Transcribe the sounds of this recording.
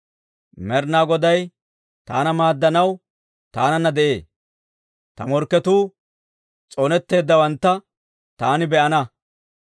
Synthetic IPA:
mɛɾnaːɡɔd̪ɐj | t̪a̰ːnɐmaːd̪ːɐnɐw | t̪aːnɐnːɐd̪ɛʔe̞̰ː | t̪ɐmɔɾkːɛt̪uː | t͡sʼɔnɛt̪ːe̞ːd̪ːɐwɐnt̪ːɐ | t̪aːnɪbɛʔɐnɐ

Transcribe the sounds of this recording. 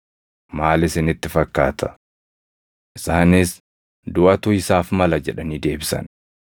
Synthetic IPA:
maːlɪsɪnɪt̪ːɪfɐkːa̰ːt̪ʰɐ | ʔɪsaːnɪs | d̪ʊʔɐt̪ʊɪsaːfmɐlɐd͡ʒɛᶑɐniːd̪e̞ːbɪsɐ̰n

